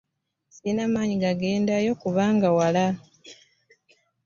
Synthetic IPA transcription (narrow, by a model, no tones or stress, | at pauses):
sinamaːɲiɡaɡe̞ːndajo̞kuβaːŋɡawala